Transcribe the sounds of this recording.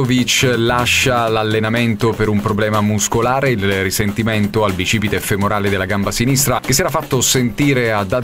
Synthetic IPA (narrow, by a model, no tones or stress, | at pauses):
ovit͡ʃlaʃalalːenament̪opeɾumpɾoblɛːmamuskolaːɾeilrisent̪iment̪oalbit͡ʃiːpit̪efemoɾaːled̪elːaɡambasinist̪ɾak̟esiɛːɾafːat̪ːosent̪iːɾead̪a